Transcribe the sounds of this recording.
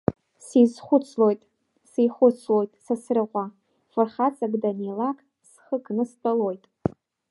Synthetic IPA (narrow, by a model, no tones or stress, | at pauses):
sizχʷʊt͡sʰlo̞jtʼ | sijχʷʊt͡sʰlo̞jtʼsasrɨʁʷa | fɨrχat͡sʼaɡdanelakʼ | sχəkʰʼnɨst͡pʼalo̞jtʼ